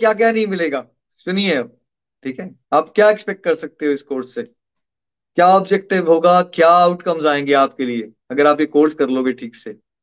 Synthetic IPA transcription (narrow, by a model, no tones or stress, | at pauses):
kjaːk̬jaːnɐɦĩmɪleːɡaː | sʊniɦɛ | ʈʰiːkɦɛː | aːpkjaːekspɛk̚ʈ̚kɐɾsɐk̚t̪eɦɛ̃ʊskoːɾsːe | kjaːɔːbd͡ʒɛk̚ʈɪʋɦoːɡakjaːʊʈkɐmzaːẽːŋɡeaːp̚kelie | ɐɡəɾaːpjekoːɾskɐɾloːɡeʈʰiːkseː